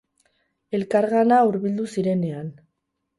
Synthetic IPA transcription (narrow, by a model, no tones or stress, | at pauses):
e̞lkaɾɣanauɾβild̪usiɾe̞ne̞an